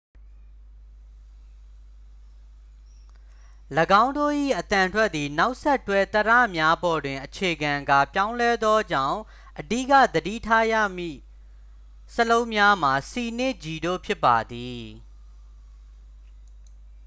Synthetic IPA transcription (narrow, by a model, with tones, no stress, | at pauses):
ləɡã˦ʊ̃ndo̰˦˨ʔḭ˦˨ʔət̪ã˨ntʰwɛ˦t̪̚ːi˨na˦ʊʔsɛ˦ʔtːwɛ˦t̪əɾä̰˦˨mja˦bɔ˨dwɪ̃˨ʔət͡ɕʰe˨ɡã˨ɡa˦˨pjã˦ʊ̃lɛ˦d̪ðɔ˦d͡ʑã̰˦˨ʊ̃ | ʔədḭ˦˨kä̰˦˨d̪ədḭ˦˨tʰa˦ja̰˦˨mḭ˦˨ | səlõ˦ʊ̃mja˦m̥a˨si˨nɪ̃˦˨d͡ʑi˨do̰˦˨pʰjɪ˦pːa˨d̪i˨